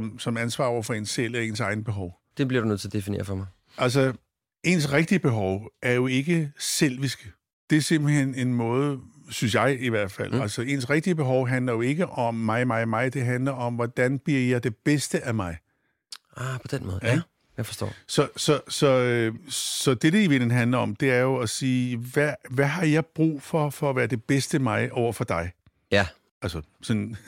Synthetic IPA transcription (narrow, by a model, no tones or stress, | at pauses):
msɒ̽mænsʋɑ̰̈ːɒ̰ɐfɒ̽e̝nsel̰eɐe̝ːnsɑ̈ɪnəb̥e̝ɦɒʊ | d̥eb̥liɐɾunøt͡s̝ʰːɐd̥e̝fine̝̰ːɐfɒmäɪ | ʔæls̬ə | e̝nsʁɛɡ̥̚d̥iəb̥e̝ɦɒʊʔæɐjo̝e̝ɡ̥əsel̰ʋisɡ̥ə | d̥e̝ɐse̝m̰b̥hene̝nmɔ̽ːð̞ˠsyns̬jɑ̈ɪiʋæɐ̰d̥fæ̰l̰ælsɐe̝ːnsʁɛɡ̥d̥iəb̥e̝ɦɒʊɦænlɐjo̝e̝ɡ̥əʔɒ̽mːɑ̈ɪmɑ̈ɪmɑ̈ɪd̥e̝ɦænlɐʔɒ̽mʋɒd̥ænb̥iɐ̰jɑ̈ɪd̥e̝b̥esd̥əʔæmɑ̈ɪ | ɑpʰɒ̽d̥enmɔ̽ːðˠæ | jæfɒsd̥ɔ̰ːsɒ̽sɒ̽sɒ̽øsɒ̽d̥e̝ɾ̥e̝iʋe̝nn̩ɦænlɐɒ̽md̥e̝æɐjo̝æsiːʋæʋæɦɑ̈jɑ̈ɪb̥ʁṵːfɒ̽fɒ̽ːʋæːɐd̥e̝b̥esd̥əmɑ̈ɪʔɒʊ̰ɐfɒ̽d̥ɑ̈ɪ | æ | ælsə | sɒ̽n